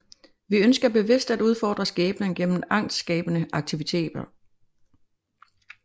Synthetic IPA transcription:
ʋiønsɡ̥ɐb̥e̝ʋe̝sd̥æd̥uð̞ˠfɒ̰ːd̥ʁɐsɡ̥ɛːb̥nəŋɡ̥en̰m̩ɑ̈ŋ̰sd̥sɡ̥ɛːb̥ənəʔɑ̈ɡ̥̚t͡sʰiʋit͡sʰe̝̰ːd̥ɐ

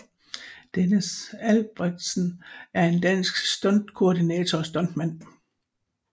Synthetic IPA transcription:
d̥enəsælb̥ʁɛɡ̥̚d̥sn̩æɐe̝nd̥æn̰sɡ̥sd̥ɒ̽nd̥kʰo̝ɐdinɛːt͡sʰɒsd̥ɒ̽nd̥mæn̰

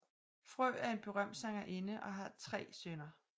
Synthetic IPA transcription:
fʁœ̰ːæɐe̝nb̥e̝ʁɶm̰̥sɑŋɐʔe̝nəʔɒ̽ɦɑ̈t͡sʰʁɛ̰ːsønɐ

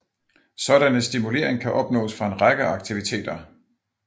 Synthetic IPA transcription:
sɒ̽ɾ̥ænəsd̥imule̝̰ɐ̰e̝ŋkʰæʔɒ̽b̥̚nɔ̰̽ːsfʁɑ̈e̝nʁaɡ̥əɑ̈ɡ̥̚t͡sʰiʋit͡sʰe̝̰ːd̥ɐ

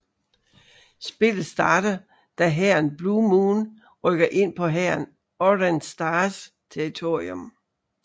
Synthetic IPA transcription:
sb̥e̝ləsd̥ɑ̈ːd̥ɐ | d̥æɦæɐnb̥lumuːn | ʁœɡ̥ɐʔe̝n̰pʰɒ̽ɦæɐn | ɒdænsd̥ɑːs | t͡sʰeɐit͡sʰo̝̰ːiom

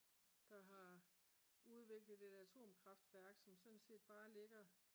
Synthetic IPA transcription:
d̥ɑ̈ɦɑ̈ | uð̞ˠʋe̝ɡ̥ləð̩ˠe̝d̥æt͡sʰo̝̰ːmkʰʁɑ̈fd̥ʋæɐɡ̥sɒ̽msɔ̽nse̝̰ːd̥b̥ɑ̈ːle̝ɡ̥ɐ

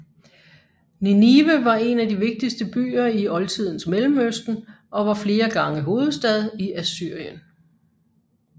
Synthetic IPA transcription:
niniʋəʋɑ̈e̝nædiʋe̝ɡ̥̚d̥isd̥əb̥y̰ːɐiɒ̽lt͡sʰið̞̰ˠn̩smelm̩øsd̥n̩ | ʔɒ̽ʋɑ̈fle̝ːɐɡ̥ɑ̈ŋəɦo̝ːð̞̩ˠsd̥ɛð̞̩ˠiʔæsyɐ̰jən

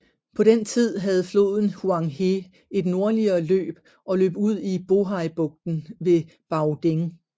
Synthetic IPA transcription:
pʰɒ̽ɾent͡sʰið̰ˠɦæð̞̩ˠflo̝ːðˠn̩huɑ̈ŋɦe | e̝d̥no̝ɐliɐːlø̰ːb̥ | ɒ̽lø̰ːb̥uð̞̰ˠib̥o̝ɦɑ̈ɪb̥ɔ̽ɡ̥̚d̥n̩ʋe̝ | b̥ɑ̈ʊd̥eŋ

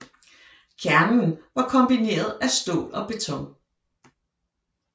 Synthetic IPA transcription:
kʰæɐnnʋɑ̈kʰɒ̽mb̥ine̝̰ːɐð̞ˠæsd̥o̝̰ːlɒ̽b̥e̝t͡sʰɔ̽ŋ̰

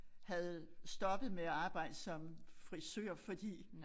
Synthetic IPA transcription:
hæð̩ˠsd̥ɒ̽b̥əð̞̩ˠmeæɑ̈ːb̥ɑ̈ɪ̰d̥sɒ̽mfʁisø̰ɐ̰fɒ̽d̥ḭː

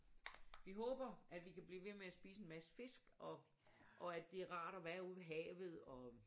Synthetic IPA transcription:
ʋiɦɔːb̥ɐʔæd̥ʋikʰæb̥lḭːʋe̝meæsb̥ḭːsəe̝nmæsə̥fe̝sɡ̥ɒ̽ | ʔɒ̽æd̥ːe̝æɐʁɑ̰̈ːɾ̥ɒʋæːɐuð̰ˠʋeɦɛ̰ːʋð̞̩ˠɒ̽

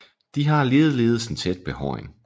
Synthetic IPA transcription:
d̥iɦɑ̈leːð̩ˠle̝ːð̩ˠsn̩t͡sʰed̥̚b̥ehɒ̰ɪn

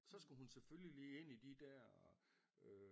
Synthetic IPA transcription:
sɒ̽sɡ̥uɦunseføljiliːe̝n̰id̥id̥æɐ̰ | ø

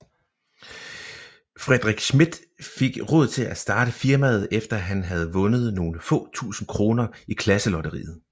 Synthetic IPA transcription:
fʁɛd̥ʁiɡ̥smid̥ | feɡ̥ʁɔ̽ð̞̰ˠt͡sʰe̝læsd̥ɑ̈ːɾ̥əfiɐmæð̞̩ˠefd̥ɐɦænɦæð̞̩ˠʋɔ̽nəð̞̩ˠno̝ːləfɔ̰̽ːt͡sʰṵːsn̩kʰʁo̝ːnɐikʰlæsəlɒ̽d̥ɐʁḭːð̩ˠ

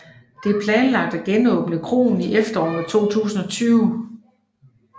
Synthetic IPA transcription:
d̥e̝æɐpʰlɛːnlɑ̈ɡ̥̚d̥æɡ̥enɔ̽ːb̥ənəkʰʁo̝̰ːn̩iʔefd̥ɐɒ̰ːt͡sʰo̝̰ːt͡sʰṵːsn̩ɒ̽t͡sʰyːʊ

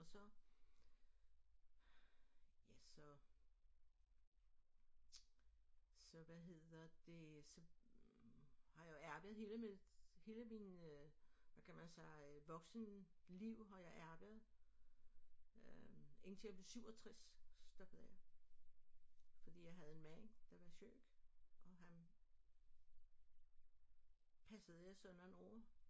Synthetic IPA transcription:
ɒ̽sɒ̽ | jæsɒ̽ | sɒ̽ʋæɦe̝ð̰ˠɐd̥e̝sɒ̽ | hɑ̈jɑ̈jæɐb̥əð̩ˠhe̝ːləmehe̝ːləminøʋækʰæmænsɑ̈ɪʋɒ̽ɡ̥snliʊ̰ɦɑ̈jɑ̈ɪʔæɐb̥əð̩ˠ | øe̝ŋnt͡sʰejab̥le̝syʊ̰ɒt͡sʰʁassd̥ɒ̽b̥əð̩ˠjɑ | fɒd̥ḭːjɑ̈ɪɦæð̞ˠe̝nmæn̰d̥ɑʋɑ̈ɕø̰ːɡ̥ʔɒ̽ɦæn | pʰæsəð̩ˠjɑ̈ɪsɒ̽nɒnɔ̰ː

